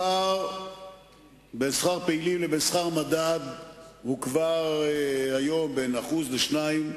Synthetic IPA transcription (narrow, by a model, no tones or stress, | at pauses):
aʁ | besχaʁpeilimlebesχaʁmadad̪hukvaʁehajo̞mbenaχuzleʃnaim